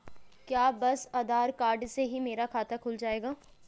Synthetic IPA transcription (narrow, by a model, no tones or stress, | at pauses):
kjaːbɐsɐd̪aːɾkaːɾɖseɦimeːɾakʰaːt̪akʰʊld͡ʒaːeːɡaː